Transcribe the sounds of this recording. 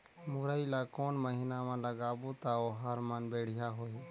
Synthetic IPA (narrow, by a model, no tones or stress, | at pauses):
mʊːɾaːiːlaːkoːnməɦiːnaːmãːləɡaːboːt̪aːoːɦəɾmənbeːɽ̤ɪjaːɦoːiː